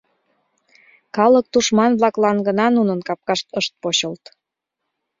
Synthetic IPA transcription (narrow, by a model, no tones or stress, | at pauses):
kɑlək̚t̪uʃmɑnβlɑklɑnɡənɑnunənkɑp̚kɑʃt̪əʃt̪̚poɕəlt̪